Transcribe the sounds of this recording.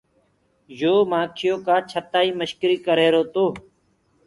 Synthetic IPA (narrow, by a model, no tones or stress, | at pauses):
joːmãːkʰɪjoːkaːt͡ʃʰət̪aːiːməʃkɪɾiːkəɾeːɾoːt̪oː